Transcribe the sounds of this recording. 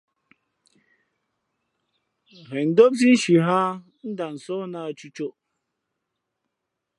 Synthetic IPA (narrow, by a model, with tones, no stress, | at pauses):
ɣe˨n̩˨do˦bzi˦n̩˦ʃi˨ɦa˦ | n̩˦da˨n̩˨sɔ˦na˨a˨t͡ʃu˦t͡ʃo˦